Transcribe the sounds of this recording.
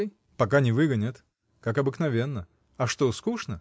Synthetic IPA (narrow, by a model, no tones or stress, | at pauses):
j | pɐkanʲɪvɨɡənʲət̪ | kakɐbɨknɐvʲe̞nːə | ɐʂt̪oskuʂnə